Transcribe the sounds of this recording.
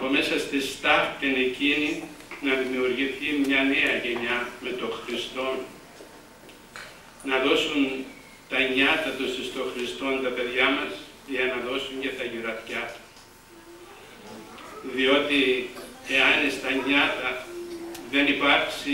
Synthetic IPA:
ɐpo̞me̞sɐst̪ist̪ɐft̪ine̞cininɐðimiuɾʝiθimɲɐne̞ɐʝe̞ɲɐme̞t̪o̞xɾist̪o̞n | nɐðo̞sun | t̪ɐɲɐt̪ɐt̪usist̪o̞xɾist̪o̞nt̪ɐpe̞ðʝɐmɐs | ʝɐnɐðo̞suɲcet̪ɐʝiɾɐt̪cɐt̪u̥ | ðio̞t̪ie̞ɐnist̪ɐɲɐt̪ɐ | ðe̞nipɐɾksi

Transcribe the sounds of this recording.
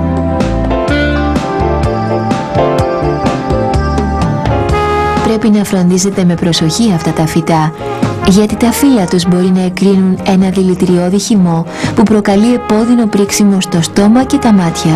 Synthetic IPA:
pɾe̞pinɐfɾo̞nd̪ise̞t̪e̞me̞pɾo̞so̞çiɐft̪ɐt̪ɐfit̪ɐ | ʝɐt̪it̪ɐfilɐt̪uzbo̞ɾinɐe̞kɾinune̞nɐðilit̪ɾio̞ðiçimo̞ | pupɾo̞kɐlie̞po̞ðino̞pɾiksimo̞st̪o̞st̪o̞mɐce̞t̪ɐmɐt̪çɐ

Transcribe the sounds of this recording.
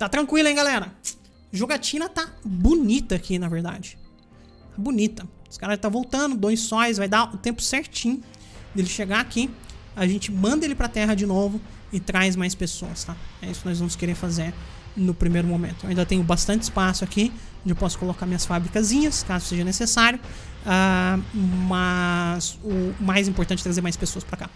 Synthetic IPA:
t̪at̪ɾɐ̃ŋkwilɐẽɡalɛɾɐ | ʒoɡat͡ʃĩnɐt̪abunit̪ɐːkinɐveɾd̪a̰d͡ʒɪ | abunit̪ɐsɪ̥kaɾʒat̪avowt̪ɐ̃nʊd̪õj̃sɔjsvajd̪aʊt̪ẽmpʊ̥sɛɾt͡ʃĩɲʊ | d̪elɪʃeɡaakiaʒẽnt͡ʃɪmɐ̃nd̪ɐelɪpɾɐt̪ɛɦɐd͡ʒɪnovʊ | ɪt̪ɾajzmajspesoɐst̪aɛisʊkɪnɔjzvɐ̃mʊskeɾẽfazeɾ | nʊpɾimejɾʊmõmẽnt̪ʊaĩd̪ɐt̪ẽɲ̃ʊbast̪ɐ̃nt͡ʃɪspasʊaki | õnd͡ʒɪewpɔsʊ̥kolokaɾmĩɲɐsfabɾikɐzĩɲɐskazʊseʒɐnesesaɾjʊa | mɐzʊmajzĩmpoɾt̪ɐ̃t͡ʃɛt̪ɾazeɾmajspesoɐspɾaka

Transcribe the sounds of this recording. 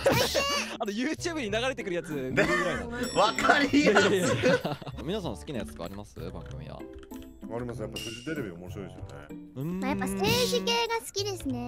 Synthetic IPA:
ano̞jɯːt͡ɕɨːbɯ̟ɲ̟inaɣaɾet̪ekɯ̟ɾɯjat͡sɨɾaĩaβakaɾʲi | mʲinasãnsɨ̥kʲinajat͡sɨ̥ka̰a̰ɾimasɨ̰bã̰ŋɡɯ̟mʲḭβa̰ | aɾʲimas̬ɨjapːasɨʑit̪e̞ɾe̞biamo̞ɕiɾoid̪esɨjo̰ne̞̰ɯ̟̃majapːase̞ːʑikeːɡasɨ̥kʲid̪e̞sɨne̞

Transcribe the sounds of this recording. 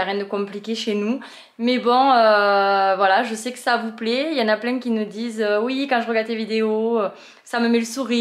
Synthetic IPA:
aʁjɛ̃d̪əkɔ̃plikʲeʃenu | mɛbɔ̃øvwalaʒəsɛkə̥savuplɛiljɑ̃naplɛ̃kʲinud̪izøwikɑ̃ʒəʁəɡaʁd̪levid̪eoø | saməmɛləsuʁi

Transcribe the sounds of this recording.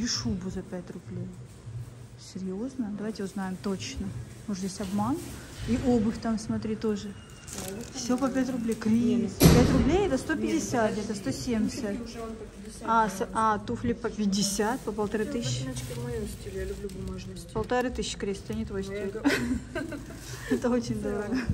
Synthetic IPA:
iʂubʊzɐpʲætʲrʊblʲej | sʲɪɾʲjo̞znəd̪ɐvajtʲɪʊznajɪmt̪ot͡ɕnə | moʂʲesʲɐbman | iʔobɨfʲt̪amsmɐt̪ɾʲit̪o̞ʐɨ | fsʲopɐpʲætʲrʊblʲejkɾʲimspʲæt̪ʲɾʊblʲejɛt̪əst̪o̞pʲɪdʲɪsʲat̪ɛt̪əst̪osʲemʲsʲət̪ʲ | asʔat̪uflʲɪpəpʲɪdʲɪsʲat̪̚pəpəlˠt̪ɐɾɨt̪ɨsʲɕʲ | lʲspəlˠt̪ɐɾɨt̪ɨsʲɕːkɾʲest̪t̪əɐnʲɪt̪vojsʲt̪e | ɛt̪əot͡ɕɪnʲd̪ovɡə

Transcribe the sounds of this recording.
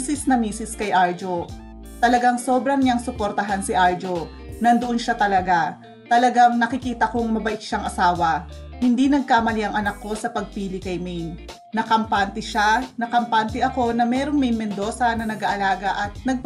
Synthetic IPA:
sɪsnɐmiːsɪskɐjʔaɹd͡ʒo̞ | t̪ɐlɐɡaŋso̞ːbɾɐŋɲaŋsʊpoɾt̪ɐɦansɪʔaɹd͡ʒo̞ | nɐnd̪oʔonʃat̪ɐlɐɡa | t̪ɐlɐɡaŋnɐkɪkiːt̪ɐkoŋmɐbɐʔɪkʃaŋʔɐsaːwɐhɪnd̪inɐɡ̚kaːmɐliʔɐŋʔɐnɐkːo̞sɐpɐɡ̚piːlɪkɐjmɛjn | nɐkɐmpant̪ɪʃanɐkɐmpant̪ɪʔɐko̞nɐmɛːɾo̞ŋmɛjnmɛnd̪o̞ːsɐnɐnɐɡaʔɐlaːɡɐʔɐt̪̚nɐɡ̚p

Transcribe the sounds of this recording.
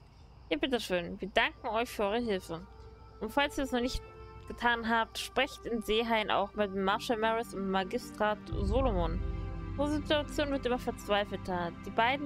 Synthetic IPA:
ʔiːɐbɪtəʃøːnviːɐdaŋkŋ̩ɔʏçfyːɐɔʏʁəɦɪlfə | ʔʊntfalsiːɐdɛsnɔχnɪçt | ɡ̥ətʰaːnɦaːp̚tʃpʁ̥ɛçtɪnzeːɦaɪənʔa̰ʊxmɪt̚maɐʃɛlmɛʁɪsʊnmaɡɪstʁ̥aːtzoːlomonozituat͡sjoːnvɪɐtʔɪmɐfɛɐt͡sv̥aɪfl̩tʰɐd̥iːbaɪdn̩

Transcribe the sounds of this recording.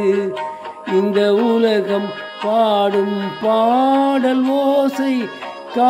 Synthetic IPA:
ɯ | ɪnd̪ɐʊlɐɣɐm | paːɽɯmpaːɽɐlʋoːsɐɪ | kaː

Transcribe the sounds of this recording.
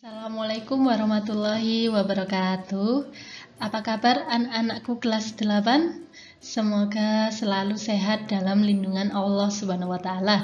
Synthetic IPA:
salamalakʊmwaɾɔhmat̪ulːɔɦiwabaɾɔkat̪u | apakabaranaʔanaʔkuɡ̥əlasd̪̥əlapan | səmoɡasəlaluseɦat̪̚d̥alamlinduŋanɑlːɔhsubanawat̪aːla

